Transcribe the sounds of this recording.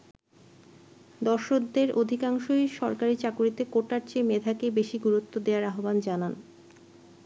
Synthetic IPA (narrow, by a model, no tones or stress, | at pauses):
d̪ɔɾʃok̚d̪eɾod̪ʱikaŋʃojʃɔɾkaɾit͡ɕakuɾit̪ekoʈaɾt͡ɕemed̪ʱakebeʃiɡuɾut̪ːod̪eaɾaɦoband͡ʑanan